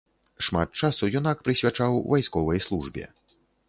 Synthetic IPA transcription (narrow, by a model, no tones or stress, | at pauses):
ʂmat̪̚t͡ʂasujɔnakpɾɨsʲvʲat͡ʂawvajskɔvɐjslˠuʐbʲɛ̰